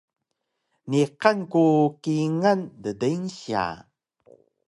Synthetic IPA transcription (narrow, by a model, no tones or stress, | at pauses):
niqankukiŋandədənɕia̰